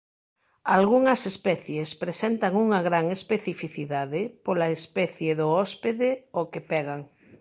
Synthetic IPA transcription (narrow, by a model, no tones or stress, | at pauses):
alɣuŋɐsespɛθjespɾesɛnt̪ɐŋuŋɐɣɾaŋespeθifiθiðaðɪpolaespɛθjeðʊɔspeðeokepɛɣaŋ